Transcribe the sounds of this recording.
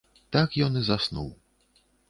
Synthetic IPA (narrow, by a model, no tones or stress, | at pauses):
t̪akjɔnɨzasnṵw